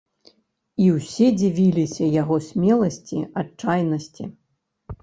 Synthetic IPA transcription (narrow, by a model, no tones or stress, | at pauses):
iwsʲɛd͡zʲivʲilʲisʲɐjaɣɔsʲmʲɛlˠɐsʲt͡sʲḭat͡ʂajnɐsʲt͡sʲḭ